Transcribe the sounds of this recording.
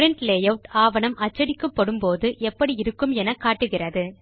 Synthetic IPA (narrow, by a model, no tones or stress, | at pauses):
ɾɛɳʈleːjɐʋʈaːʋɐnɐmɐt͡ʃːɐɽɪkːɐpːɐɽɯmpoːðɯʔɛpːɐɽiɪɾɯkːɯmɛnɐkːaːʈːɯɣɪrɐðɯ